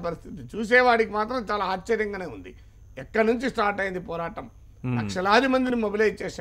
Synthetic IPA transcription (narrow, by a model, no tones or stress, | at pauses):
pɐɾist̪ʰit̪it͡ʃuːs̬ɛːʋaːɽikimaːt̪ɾɐmt͡ʃaːlaːt͡ʃːt͡ʃɐɾjɐŋɡaːneːund̪ḭ | ɛkːɐɽnuɲt͡ʃisʈaːɾʈɐjind̪ipɔːɾaːʈɐm | lɐkʂɐlaːd̪imɐnd̪inimobilɐjt͡ʃːɛːʃa